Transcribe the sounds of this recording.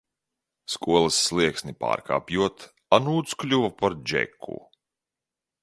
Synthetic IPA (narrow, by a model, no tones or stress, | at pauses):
skuɔlˠasːlˠiɛksnʲipa̰ːɾka̰ːpjuɔt̪ | anuːt̪sklʲuvapaɾd͡ʒɛ̰kʰːṵ